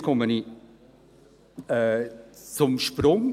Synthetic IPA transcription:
kʰɔməni | ɛt͡sʊmʃpɾʊŋ

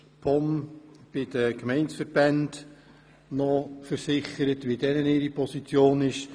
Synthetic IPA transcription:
pʰɔmb̥ɪdəkmɛɪnsfəɾb̥ɛnd̥ | nɔfəɾsɪχəɾətʋidɛnənɪːɾipʰɔsit͡sjoːnɪʃ

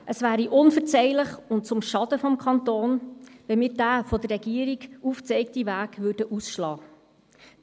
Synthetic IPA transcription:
ʔəsvæːɾiʔʊnfəɾt͡sɛɪləχʊnt̚t͡sʊmʃɑd̥̪əfɔmkʰɑnt̪oːnʋɛmɪːɾdæːfɔd̪ərːɛɡiəɾiɡuːft͡sɛɪk̚tivæːɡʋʏɾdəʔusʃlɑː

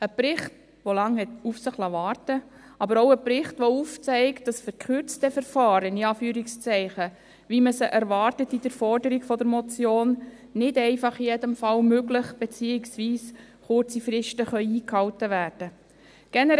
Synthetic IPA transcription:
əprɪχt | ʋolɑŋhɛtufsəχlɑvɑːrtə | ɑbəɾɔʊəpɾɪχtʋɔuːft͡sɛɪkt̚d̥ɑsfəɾkʰχʏɾt͡stɛfəɾfɑːɾəniɑːfyːɾikst͡sɛɪχə | ʋiməsəʔæɾvɑːrtətid̥əɾfɔrdəɾiɡfɔdəɾmɔt͡sjoːn | nɪdɛɪfɑχijɛdəmfɑlmøɡlɪχb̥et͡siːɪksviːs | χʊɾt͡sifɾɪʃtəχœʏiːkhɑltəʋæːrd̥ə | ɡ̥ɛnə

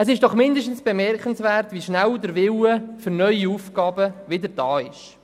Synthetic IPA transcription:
əsɪʃd̥ɔχmɪndəʃtn̩sb̥emɛrkχənsʋæːrtʋiʃnæwdəɾʋɪwəfʏɾnœʏiufɡ̥ɑːbəʋɪdəɾd̥ɑːɪʃ

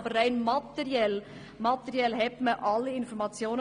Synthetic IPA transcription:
bərːaɪnmɑt̪ɛɾjɛl | mɑt̪ɛɾjɛlɦɛtməʔɑlːiɪnfɔɾmɑt͡sjoːnə

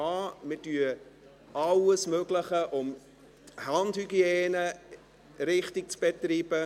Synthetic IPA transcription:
ɑːmɪdyə | ɑləsmøɡləχəʔʊm | hɑndhyɡjeːnə | ɾɪχtik̚t͡sb̥etɾiːb̥ə

